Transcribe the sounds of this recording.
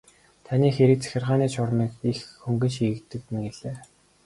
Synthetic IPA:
t̪ʰaniːxeɾɘ̆k̚t͡sʰæ̥xʲɪ̆rʁaːniːt͡ɕʰʊrmiːkixːɵŋɡɘ̆nʃiːɣɘ̆k̚t̪ɘ̆k̪mĕɡeɮeː

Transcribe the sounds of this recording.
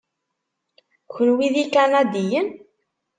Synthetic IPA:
kənwiðikanad̪ijən

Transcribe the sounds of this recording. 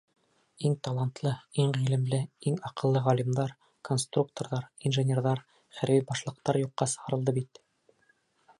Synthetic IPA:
iŋt̪ɑlˠɑnt̪lˠɤiŋʁilɘ̆mlɘiŋɑqɤ̆lˠːɤʁɒlimd̪ɑɾ | ko̞nst̪ruk̚t̪oɾðɑɾinʒɘnʲerðɑɾ | χæɾbibɑʃlˠɤ̆q̚t̪ɑɾjuqːɑsɤ̆ʁɑ̆ɾɤ̆lˠd̪ɤbit̪

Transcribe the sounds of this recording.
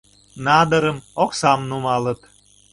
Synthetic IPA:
nɑd̪əɾəmoksɑmnumɑlət̪

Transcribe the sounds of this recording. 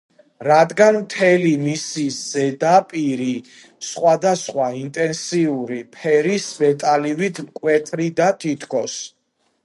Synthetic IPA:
ɾad̪ɡanmt̪ʰɛlimisiz̥ɛd̪apʼiɾi | sχwad̪asχwaint̪ʼɛnsiuɾipʰɛɾisvɛt̪ʼalivit̪ʰkʼwɛt̪ʼɾid̪at̪ʰit̪ʰkʰɔs

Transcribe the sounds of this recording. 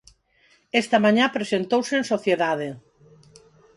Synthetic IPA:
ɛst̪amãɲapɾesent̪owseensoθjeðaðe

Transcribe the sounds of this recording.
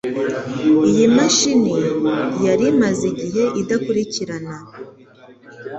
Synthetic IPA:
ijimaʃinijaɾimaziɟiɦe̞ʔidakuɾiciɾana

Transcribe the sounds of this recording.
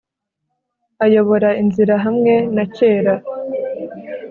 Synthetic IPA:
ajo̞βo̞ɾainziɾaɦamŋe̞nace̞ːɾa

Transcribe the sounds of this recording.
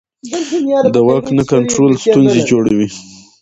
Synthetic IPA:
d̪əwaknakaɳʈɾolst̪unzed͡ʒoɽawi

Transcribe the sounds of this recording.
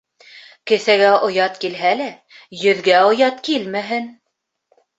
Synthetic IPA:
kɘ̆θæɡæʔŏjɑt̪kilɦælæ | jɵ̆ðɡæŏjɑt̪kilmæɦɘn

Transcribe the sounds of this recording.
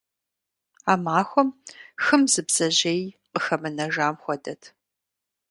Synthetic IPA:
aːmaːxʷɔmxɨmzɨbz̥ɐʑejqəxɐmɨnɐʒaːmxʷɔdɐtʰ

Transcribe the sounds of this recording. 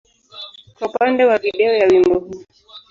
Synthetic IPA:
kwaupandɛwaviɗɛɔjawimbɔhu

